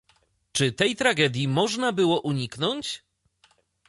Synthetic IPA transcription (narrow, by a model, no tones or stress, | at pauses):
t͡ʂɘt̪ɛjt̪ɾaɡɛd̪ʲjimɔʐnabɘwɔʔuɲiknɔɲt͡ɕ